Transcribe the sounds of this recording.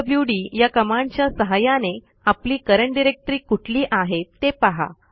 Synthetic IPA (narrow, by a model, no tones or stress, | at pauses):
bjuɽiːjakəmãɳt͡ɕjasəɦajane | apliːkəɾəɳɖiɾek̚t̪ɾiːkuʈʰliːʔaɦet̪ːepaɦa̰